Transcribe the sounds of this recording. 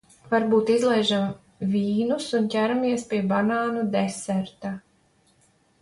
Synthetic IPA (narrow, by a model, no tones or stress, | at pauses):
vaɾbuːt̪izlˠɛjʒam | vʲiːnusuncʲæɾamiɛspʲiɛbanaːnud̪ɛsɛɾt̪a